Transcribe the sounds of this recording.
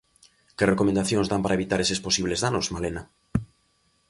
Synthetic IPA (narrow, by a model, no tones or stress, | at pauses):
kerekomẽnd̪aθjonzðampaɾʔaeβit̪aɾesesposiβlezðanosmalena